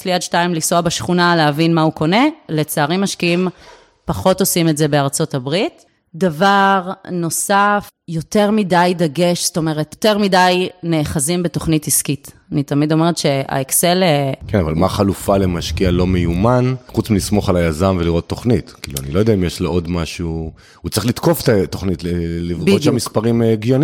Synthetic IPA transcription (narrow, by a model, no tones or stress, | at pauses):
sliadʃtaimlisoabaʃχunaleavinmauko̞ne̞le̞t͡saːʁimːaʃkiim | paχo̞to̞simetze̞be̞aʁt͡so̞tabʁit | davaʁno̞saf | jo̞te̞ʁmidajdaɡe̞ʃsto̞me̞ʁette̞ʁmidajne̞ːχazimbe̞toχnitiskit | anitamido̞me̞ʁetʃe̞a̰ekse̞lekenavalmaχalufalemaʃkialo̞mejumanχut͡smilismo̞χalajazaɱveliʁo̞t̪ːo̞χnitkḭlua̰nilo̞jd̪aimjeʃleʔo̞dmaʃu | hut͡saʁiχlit̪koftatːo̞χnitlelivɡoʃamispaʁimɡijoni